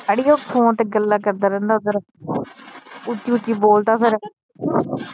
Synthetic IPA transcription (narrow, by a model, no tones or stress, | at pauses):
aɽiːoːkʰõːt̪eːɡəlːaːkəɾd̪aːɾɛ̃ːnd̪aːʊd̪əɾ | ʊt͡ʃːiːʊʈːiːboːlt̪aːsəɾ